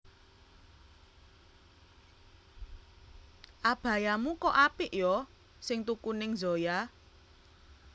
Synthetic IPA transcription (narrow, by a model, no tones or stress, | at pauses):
ʔab̥ä̤jamukɔʔapɪʔjɔ | sɪŋt̪ukunɪŋzo̤ja